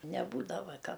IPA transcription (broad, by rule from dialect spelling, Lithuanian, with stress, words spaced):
nʲɛˈbuːdɐʋɐ ˈkɐ